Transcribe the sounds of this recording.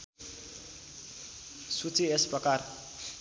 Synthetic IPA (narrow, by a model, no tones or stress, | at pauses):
sut͡siesprʌkar